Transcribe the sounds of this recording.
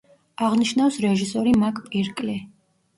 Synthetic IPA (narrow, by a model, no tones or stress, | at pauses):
aʁniʃnafsɾɛʒisɔɾimakʼpʼɛɾkʼlɛ